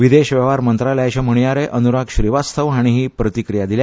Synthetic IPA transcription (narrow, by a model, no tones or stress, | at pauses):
ʋid̪eɕʋɛʋaɾmənt̪ɾaljajt͡ɕãm̤əɽ̃jaɾeʔənuɾakɕɾiʋast̪ʰəʋɦãɽ̃iɦiːpɾət̪ikɾijad̪ilja